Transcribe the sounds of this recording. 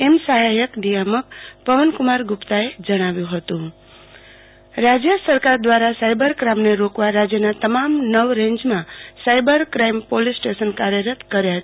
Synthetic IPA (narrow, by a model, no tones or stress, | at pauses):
emsaɦajəkɖijaməkpəʋənkʊmaɾɡʊpt̪aed͡ʒəɽ̃aʋjũɦət̪ũ | ɾad͡ʒjəsəɾkaɾd̪ʋaɾasajbəɾkɾamneɾokʋaɾad͡ʒjənat̪əmamnəʋɾẽɲd͡ʒmãsajbəɾkɾaimpolisʈeʃənkaɾjəɾət̪kəɾjaɦ